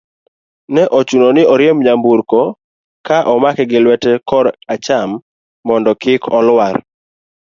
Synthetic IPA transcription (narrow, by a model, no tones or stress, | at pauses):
nɛʔɔt͡ʃunonɪʔɔɾɪɛmɲambuɾkɔ | kaʔɔmakɛɡɪlwɛtɛkɔɾat͡ʃamː | ɔndɔkɪkʰɔlwaɾ